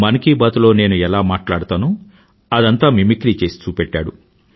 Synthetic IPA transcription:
mɐnɐkibat̪ulo̞ːne̞ːnuɛlaːmaːʈlaːɽut̪aːnu | ɐd̪ɐnt̪aːmimikɾiːt͡ʃe̞ːst͡ʃ̪uːpɛʈːa̰ːɽu

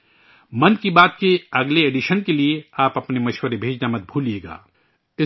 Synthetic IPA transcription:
mɐnkibaːt̪̚keɐɡleeːɖiʃənkelieaːpɐpnemɐʃwəɾebʱeːd͡ʒnamɐt̪̚bʱuːlieːɡa̰ː | ɪ

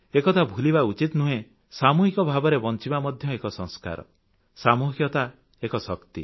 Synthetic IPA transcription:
ekɔt̪ʰabʱulibaut͡ʃit̪nuɦẽ | samuɦikɔbʱabɔɾebɔnt͡ʃibamɔd̪ʱjɔekɔsɔ̃ŋska̰ɾɔ̰ | samuɦjɔt̪a | ekɔsɔkt̪ḭ

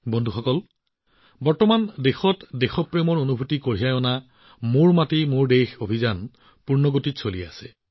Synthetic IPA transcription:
bondʱuxɔkɔl | bɔɹtɔmandexɔtdexɔpɹemɔɹonubʱutikoɹijajɔna | mʊɹmatimʊɹdejxobʱizan | puɹnɔɡotitsolia̰sɛ

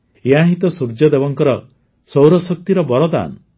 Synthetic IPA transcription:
eãɦit̪ɔsuɾd͡ʒɔd̪ebɔŋkɔɾɔ | sowɾɔsɔk̚t̪iɾɔbɔɾɔd̪a̰nɔ

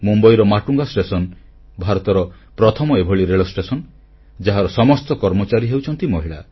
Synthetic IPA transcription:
mumbɔjɾɔmaʈuŋɡasʈesɔn | bʱaɾɔt̪ɔɾɔ | pɾɔt̪ʰɔmɔebʱɔɭiɾeɭɔsʈesɔn | d͡ʒaɦaɾɔsɔmɔst̪ɔkɔɾmɔt͡ʃaɾiɦewt͡ʃʰɔnt̪imɔɦiɭa

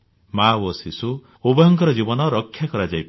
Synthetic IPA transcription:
mawosisu | ubɔɦɔŋkɔɾɔd͡ʒibɔnɔɾɔkʰːjakɔɾad͡ʒajp

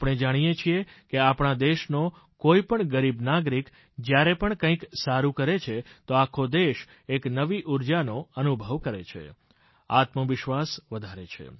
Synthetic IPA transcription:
apɽ̃ed͡ʒaɽ̃ijet͡ʃʰiekeapɳ̃ad̪eʃno | koipəɳɡəɾibnaɡɾik | d͡ʒjaɾepəɳkə̃ĩksaɾũkəɾet͡ʃʰet̪oakʰod̪eʃ | eknəʋiʔuɾd͡ʒanoənubʱəʋkəɾet͡ʃʰḛ | a̰t̪məʋɪʃʋasʋəd̪ʱaɾet͡ʃʰḛ

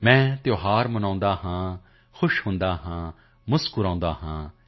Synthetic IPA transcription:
mɛ̃ːt̪joːɦaːɾmənãːnd̪aːɦãː | xʰʊʃhʊ̃nd̪aːɦãː | mʊskʊɾãːnd̪aːɦãː

